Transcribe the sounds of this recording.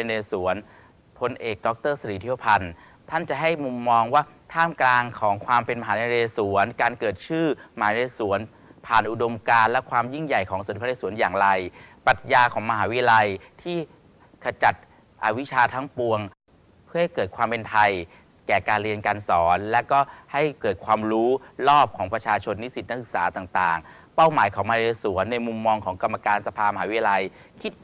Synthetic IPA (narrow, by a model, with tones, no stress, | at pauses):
eː˧su˩˦ən | pʰo˧nʔeː˨˩k̚dɔ˦˥k̚t̪ɤː˥˩sa˧ɾiː˨˩˦t̪ʰi˦˥˩pʰa˧n | t̪ʰa˥˩nt͡ɕa˨˩ɦa˥˩jmu˧mːɔː˧ŋwaː˥˩t̪ʰaː˥˩mklaː˧ŋkʰɔː˩˦ŋkʰwaː˧mpe˧nma˧ɦaː˩˦na˧eː˧su˩˦ənkaː˧nkɤː˨˩t̪̚t͡ɕʰɯː˥˩maː˧˩˨ne˧su˨˩˦ən | pʰaː˨˩nʔu˨do˧mkaː˧nlɛ˦˥kʰwaː˧mji˥˩ŋja˨˩jkʰɔː˩˦ŋsu˨˩˦t̪iː˦˥˧su˩˦njaː˨˩ŋɾa˧jpa˨˩t̪̚jaː˧kʰɔː˩˦ma˧ɦaː˩˦wi˦˥a˧la˧jt̪ʰiː˥˩ | kʰa˧t͡ɕa˨˩t̪̚ | ʔa˧wi˦˥t͡ɕʰaː˧t̪ʰaː˦˥ŋpu˧əŋ | pʰɯ˥˩ha˥˩jkɤː˨˩t̪̚kʰwaː˧mpe˧nt̪ʰa˧j | kɛː˨˩kaː˧nɾi˧ənkaː˧nsɔː˩˦nlɛ˦˥kɔː˥˩ha˥˩jkɤː˨˩t̪̚kʰwaː˧mɾuː˦˥ɾɔː˥˩p̚kʰɔː˩˦ŋpɾa˧t͡ɕʰaː˧t͡ɕʰo˧nːi˦˥si˨˩n˦˥k̚sɯ˨˩k̚saː˩˦t̪aː˨˩ŋt̪aː˨˩ŋ | pa˥˩wmaː˨˩˦jkʰɔː˩˦mː˧˨˦su˩˦ənːa˧jmu˧mːɔː˧ŋkʰɔː˩˦ŋka˧mːa˧kaː˧nsa˧pʰaː˧ma˧haː˨˦wi˦˥ja˧la˧j | kʰi˦˥t̪̚